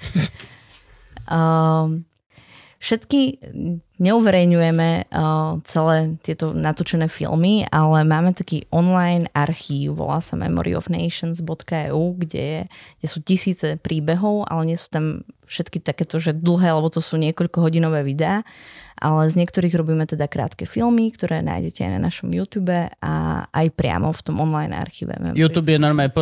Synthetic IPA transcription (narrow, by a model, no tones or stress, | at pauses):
fʃɛt̪ki | ɲɛuʋɛɾɛjɲujɛmɛ | t͡sɛlɛːt̪ɪɛt̪ɔnat̪ɔt͡ʃɛnɛːfḭlmialɛmaːmɛt̪akiːʔɔnlajnaɾxiːʊʋɔ̰la̰ːsa̰mɛ̰mɔ̰ɾḭɔ̰vnɛ̰ɪʃənzbɔt̪kaɛ̰uːɡɟɛ̰jɛɡɟɛsuːcisiːt͡sɛpɾiːbɛɦɔʊʔa̰lɛɲɪɛsu̥ːt̪amfʃɛt̪kit̪akɛːt̪ɔʒɛd̪l̩ɦɛːalɛbɔt̪ɔsuːɲɪɛkɔʎkɔɦɔɟinɔʋɛːʋid̪ɛaːʔa̰lɛzɲɪɛkt̪ɔɾiːɣɾɔbiːmɛt̪ɛd̪akɾa̰ːt̪kɛfilmikt̪ɔɾɛːna̰ːjɟɛcɛa̰jna̰naʃɔmjuːt̪juːbɛa̰ʔa̰jpɾɪa̰mɔ̰ft̪ɔmɔnlajna̰ɾxḭːʋɛ̰mɛ̰mjuːt̪uːbjɛnɔɾma